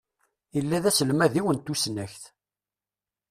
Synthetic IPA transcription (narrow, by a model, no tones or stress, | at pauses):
əlːæðæsəlmæðiwənt̪ːusnæçθ